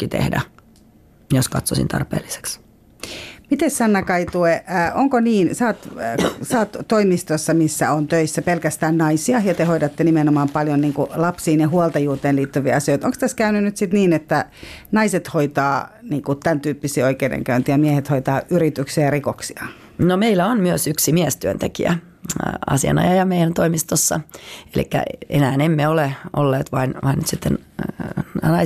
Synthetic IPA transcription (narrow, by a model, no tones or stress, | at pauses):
kːit̪ḛhdæ̰ | joskɑt̪sosḭnt̪ʰɑ̰rpḛːlːise̥ks | mit̪essɑnːɑkɑit̪ueːʔoŋkoniːnsɑːt̪sɑːt̪toimist̪osːɑmisːæ̰ont̪øisːæpelkæst̪æːnnɑisiɑjɑt̪ehoidɑt̪ːenimenomɑːmpɑljonniːŋkulɑpsiːnjehuɑlt̪ɑjuːt̪eːnliːt̪ːyʋiːɑsioit̪oŋkst̪æskæynynnyt̪sit̪niːnet̪ːænɑiset̪hoit̪ɑːniːŋkut̪ænt̪yːpːisiːoikeidḛŋkæynt̪ijɑmiehet̪hoit̪ɑːʔyrit̪yksiæjɑrikoksiɑ | nomeilːæonmyøsyksimiest̪yønt̪ekḭæ̰ | ɑ̰siɑ̰nɑ̰jɑjɑmeijænt̪oimist̪osːɑ̰elḭkːæ̰ḛnæːnemːeoleʔo̰lːeːt̪ʋɑinʋɑinːyt̪sit̪ːḛn | nɑi